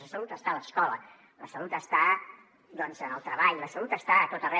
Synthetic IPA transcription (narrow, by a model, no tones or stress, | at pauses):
əsəlut̪əst̪aləskɔlə̰ | ləsəlut̪əst̪a | d̪ɔnzənəlˠt̪ɾəβaʎləsəlut̪əst̪aːt̪ot̪ərɛ